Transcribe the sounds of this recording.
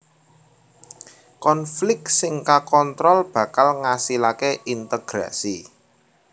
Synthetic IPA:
kɔnflɪk̚sɪŋkakɔnt̪ɾɔlb̥ä̤kalŋasilakeʔint̪əɡ̥ɾa̰si

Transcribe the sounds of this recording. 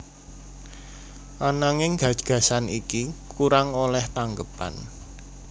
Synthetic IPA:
ʔanaŋɪŋɡ̥ä̤d̥ʒ̥ɡ̥ä̤sanikikuɾaŋolɛht̪aŋɡəpa̰n

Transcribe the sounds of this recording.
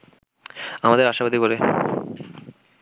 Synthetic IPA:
amad̪eɾaʃabad̪ikoɾe

